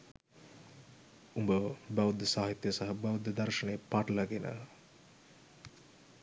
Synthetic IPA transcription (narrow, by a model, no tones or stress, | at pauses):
umbəʋbɐʋud̪ːəsaːɦit̪jəsaɦɐbɐʋud̪ːəd̪ɐɾʂənəjːpaʈlɐɡenə̰